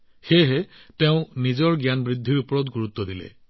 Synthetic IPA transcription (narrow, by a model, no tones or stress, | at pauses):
xeɦet̪eʊ̃nizɔɹɡjanɔbɹid̪ʱːiɹupɔɹɔt̪ɡuɹut̪ːɔd̪ilḛ